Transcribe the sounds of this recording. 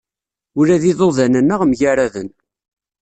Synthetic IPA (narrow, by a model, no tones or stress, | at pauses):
ʊɾæðiðoðænənːəʁmʝaɾaðən